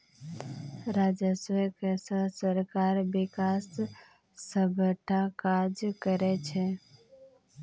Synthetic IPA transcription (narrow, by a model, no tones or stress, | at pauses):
ɾaːd͡ʒəswɛkesəsəɾkaːɾbɪkaːsː | ə̃bʱəʈʰakad͡ʒkəɾɛt͡ʃʰe